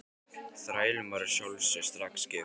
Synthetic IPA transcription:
θɾaːjlɪmaɾɪ̥sjowlsɛst̪ɾakscɪ

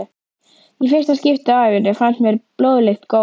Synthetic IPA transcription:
ifɪɾ̥st̪ascɪft̪aaːjvʏnːɛfant̪mjɛɾploːwðlext̪ko

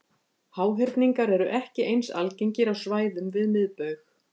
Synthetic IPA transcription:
haːwɦɪɾt̪niŋkaɾɛɾʏʔɛhcɪʔejnsa̰lceɲcɪɾawsvaːjðʏmvɪðmɪðpœɥx

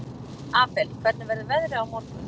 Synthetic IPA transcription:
aːpɛlkʰvɛɾt̪navɛɾðɪvɛðɾɪawmot̪n

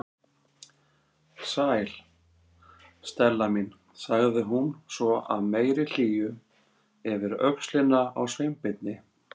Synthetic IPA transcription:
saːjl̥ | st̪ɛlːamin | saɣðɪɦunsvɔʔa̰ðmeːjɾɪl̥iːjʏ | ɛvɪɾœ̰kslɪnːaawsvejmpɪt̪̚nɪ

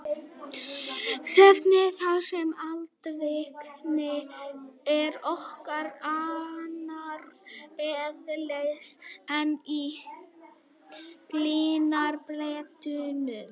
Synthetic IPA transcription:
sɛft̪nɪθawsɛmalt̪vɪpnɪ | ɛɾɔhkaɾanaɾɛðleɣsɛni | kliːnaɾpleːt̪ʏnʏ

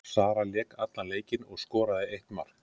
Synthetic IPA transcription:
saːɾaljɛːkat̪laleːjcɪnɔɣskɔːɾaðɪejht̪ma̰ɾ̥k

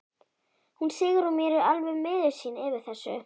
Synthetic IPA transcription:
hunsɪːɣʏɾumjɛːɾʏalvʏmːɪːðɪ̥siːnɛːvɪɾ̥θɛsːʏ̰

